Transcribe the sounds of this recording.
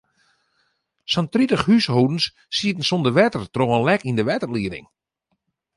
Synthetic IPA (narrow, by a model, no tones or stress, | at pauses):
sɔntritəχhyshowdn̩sː | iətn̩sondəʋɛtərtroːənlɛkindəʋɛtərliədɪ̰ŋ